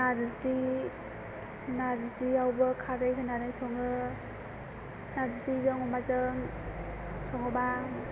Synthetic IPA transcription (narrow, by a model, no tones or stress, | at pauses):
nadɯsi | nadisiawbɯkʰadɯjkʰɯnaɾɯjsɔŋɯ | nadisizɯŋɔmazɯŋ | sɔŋɯba